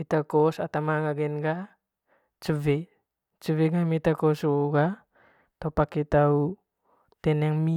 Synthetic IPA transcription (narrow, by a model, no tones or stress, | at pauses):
itakɔsatamaɡaɡenɡa | t͡ʃəve | t͡ʃuveɡamitakɔsoɡa | tɔpakitaw | tɛnaŋmi